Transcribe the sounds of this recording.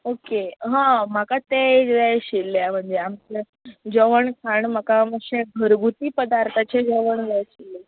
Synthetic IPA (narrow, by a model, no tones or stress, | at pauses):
okeɦãm̤akat̪eʋɛjɕilːam̤əɳd͡zeamt͡ɕe | d͡ʑəʋəɳkʰaɳm̤akaməɕẽɡʱəɾɡʱut̪iːpəd̪aɾt̪ʰat͡ɕed͡zəʋəɳʋɛjɕile